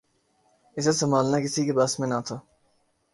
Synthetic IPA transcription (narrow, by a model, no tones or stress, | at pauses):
ɪs̬esəmaːlnaːkɪsiːkebɐsmẽːnat̪ʰa